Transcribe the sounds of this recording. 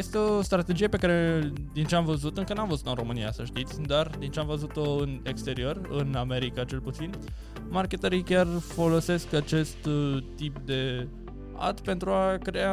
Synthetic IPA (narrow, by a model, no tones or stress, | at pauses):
je̞st̪eost̪ɾat̪e̞d͡ʒijape̞kaɾe̞d̪int͡ʃeamvəzut̪ɨŋkənamvəzut̪oɨnro̞mɨnia̰səʃt̪it̪sʲd̪ard̪int͡ʃeamvəzut̪o̞ɨnekst̪e̞ɾio̞rɨname̞ɾikat͡ʃe̞lput̪sin | markʲe̞t̪əɾikʲarfo̞lo̞se̞skat͡ʃe̞st̪t̪ip̚d̪e̞ | a̰t̪pe̞nt̪ɾuakɾe̞a